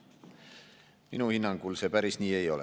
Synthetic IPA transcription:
minuhinːɑŋɡkulsepæɾisnʲiːe̞jo̞le

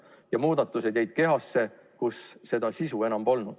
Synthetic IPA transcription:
jɑmuːd̪̥ɑt̪ːˑused̥̪jæajd̪̥̚ke̞ɦɑsːe̞ | kusːe̞d̪ɑsisue̞nɑmbo̞lnud̪̥

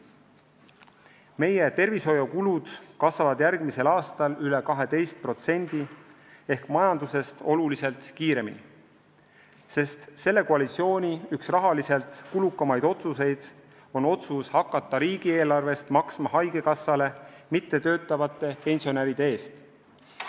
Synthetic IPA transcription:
me̞je̞t̪e̞rviso̞jokulud̪̥kɑsvɑvɑd̪jærɡ̥mise̞lɑːst̪ɑlyle̞kɑɦe̞t̪e̞jst̪̚pro̞t̪se̞nʲd̪̥i | e̞hkmɑjɑnd̪use̞st̪o̞lulise̞lt̪kiːɾe̞mi | se̞st̪se̞lːe̞koɑlit̪sio̞ːnʲiyksrɑɦɑlise̞lt̪kulukːˑɑmɑjd̪o̞t̪suse̞jd̪̥ | o̞no̞t̪sushɑkːˑɑt̪ːˑɑɾiːɡ̥ie̞ːlɑrve̞st̪mɑksmɑɦɑjɡ̥e̞kɑsːɑle̞mit̪ːe̞t̪ø̞ːt̪ːˑɑvɑt̪ːˑe̞pe̞nʲsio̞neɾid̪̥ee̞ːst̪

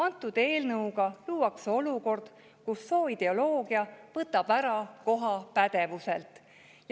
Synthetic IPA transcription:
ɑnt̪ːˑud̪̥e̞ːlnɤwɡɑluːwɑkso̞luko̞rd̪̥ | kusːo̞ːid̪̥e̞o̞lo̞ːɡ̥iɑvɤt̪ːˑɑb̥æɾɑko̞ɦɑpæd̪̥e̞vuse̞lt̪ˑ | j

